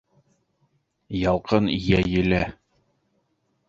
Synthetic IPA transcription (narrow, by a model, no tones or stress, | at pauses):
jɑlˠqɤnijæjɘ̆læ